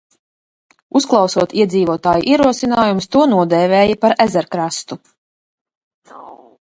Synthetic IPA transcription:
usklˠɑwsuɔt̪iɛd̪ziːvuɔt̪aːjuʔiɛɾuɔsinaːjumst̪uɔnuɔd̪ɛːvʲɛːjapaɾæzɛɾkɾast̪u

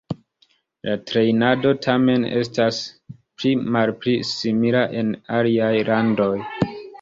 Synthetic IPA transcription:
latɾe̞jnado̞tʰame̞ne̞̰stas | plimalpɾisimilaʔe̞naliajlando̞j

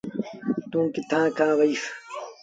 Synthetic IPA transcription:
t̪ũːkit̪ʰãːkãːʋɐiːf

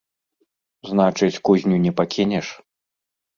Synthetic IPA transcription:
znat͡ʂɨt͡sʲkuzʲnʲunʲɛpakʲinʲɛʂ

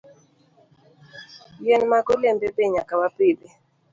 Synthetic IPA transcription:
jɛnmaɡolembebeɲakawapɪbe

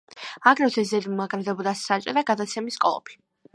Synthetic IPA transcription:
aɡɾɛd̪ʰɛs̬zɛd̪mmaɡɾɛd̪ɛbɔd̪asat͡ʃʼiɾaɡad̪at̪sʰɛmiskʼɔ̰lˠɔ̰pʰi̥

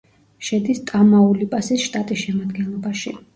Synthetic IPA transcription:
ʃɛd̪ist̪ʼamaulipʼasisʃt̪ʼat̪ʼisʃɛmad̪ɡɛnlˠɔbaʃi

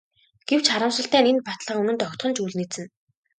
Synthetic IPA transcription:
ɡ̥ew̥t͡ɕχaɾə̆msə̆ɬt̪æːnenpat̪ɮʁaːunɘ̆nt̪ɔkt̪χɞ̆nt͡ɕuːɮniːt͡sɘ̆n

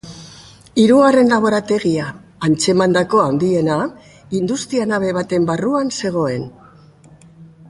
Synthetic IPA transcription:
iɾuɣare̞nlaβ̞o̞ɾat̪e̞ɣiaːnt͡se̞mand̪ako̞awnd̪ie̞na | ind̪ust̪ianaβe̞βat̪e̞mbaruanse̞ɣ̞o̞e̞n

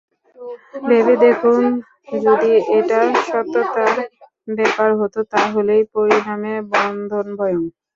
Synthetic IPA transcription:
bebed̪ekʰun | d͡ʑod̪ieʈaʃɔt̪ːot̪aɾ | bɛpaɾɦot̪ot̪aɦolejpoɾinamebɔnd̪ʱonbʱɔjoŋ

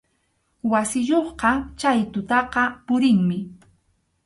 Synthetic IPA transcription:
wasɪjoχqɑt͡ʃajt̪ʊt̪ɑqɑpʊɾɪŋmɪ

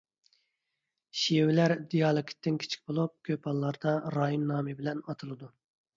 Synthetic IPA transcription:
ʃiwɪlæɾd̪ijɑːlˠɨkʲʰi̥t̪ːɪnkʲʰe̥t͡ʃʰi̥kʲbolˠup̚kʲʰøpɑlˠːɑɾd̪ɑɾɑːjinnɑːmɨbɪlɛnɑt̪ʰɨlˠɨd̪u

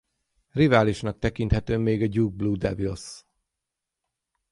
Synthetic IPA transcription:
rivaːliʃnɒk̚t̪ɛkint̪hɛt̪øːmːeːɡɒɟuɡ̚bluːd̪ɛbils

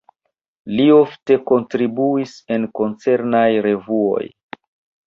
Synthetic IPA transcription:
lio̞fte̞ko̞ntɾibuise̞nko̞nt͡se̞ɾnajɾe̞vuo̞̰j

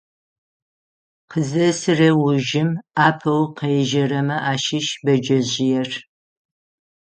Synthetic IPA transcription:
qʰəzɐsɨrɐwʊʒɪmaːpʰɐwqɐjʒɐrɐmɐʔaːʃɪʃbɐd͡ʒɐʑɪjɛr

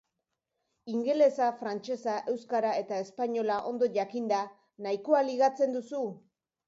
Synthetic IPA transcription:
iŋɡe̞le̞safɾant͡ʃe̞saʔe̞wskaɾae̞t̪ae̞spaɲo̞laʔo̞̰nd̪o̞ʝakind̪a | naikoaliɣ̞at͡se̞nd̪usu

